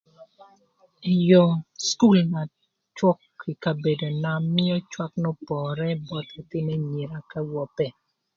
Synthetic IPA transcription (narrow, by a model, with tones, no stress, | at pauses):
i˨jɔ˨sku˦˨lna˨ | t͡ʃwɔ˦ki˨ka˨be˨do˨na˨mɪ˦ɔ˦t͡ʃwa˦knɔ˦pɔ˨ɾɛ˦bɔ˦t̪i˨t̪ɪ˦ne˦ɲe˨ɾa˨ka˦wɔ˨pɛ˨